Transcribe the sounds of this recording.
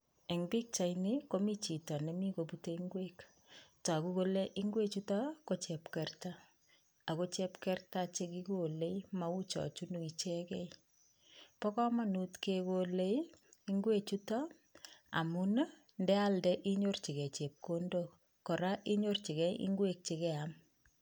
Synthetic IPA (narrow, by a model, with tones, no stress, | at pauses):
e˨ŋbi˦k̚t͡ʃajni˦ko˦mi˦t͡ʃi˨tɔ˨nɛ˨mi˦ko˨pute˦iŋɡwe˦k | ta˨ku˦ko˦le˦ʔi˦ŋɡwe˦t͡ʃu˦ta˦ko˦t͡ʃɛ˨pkɛrta˦ | a˨ko˦t͡ʃɛpkɛrta˦t͡ʃe˦ki˦ko˨le˦ima˨u˦t͡ʃɔ̰˨t͡ʃunu˨i˨t͡ʃe˦kɛ˦i | pɔ˦kɔ˦ma˦nu˦tke˦kole˦ji˦ŋɡwe˦t͡ʃu˦tɔ˦ | a̰˨mu˦n˦ | ndɛ˦aldɛ˦ʔi˦ɲo˦rt͡ʃi˨kɛ˨t͡ʃe˨p̚ko˦ndok | kɔ˨ɾa˦ʔi˦ɲo˦rt͡ʃi˨kɛ˦iḭ˦ŋɡwe˦k̚t͡ʃe˨kɛ˦am